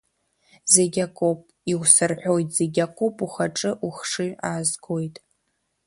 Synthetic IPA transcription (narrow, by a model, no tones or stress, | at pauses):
zeɡʲakʼopʼ | iwsɨrħʷᶣojtʼz̥e̞ɡʲakʼopʼuχaʈ͡ʂʼɨʔuχʂɨaːzɡo̞jtʼ